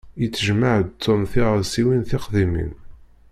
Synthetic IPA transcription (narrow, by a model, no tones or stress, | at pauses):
jət͡sːəʒməʕd̪t̪ʰːʊmθiʁəðsiwinθɪqðimḭn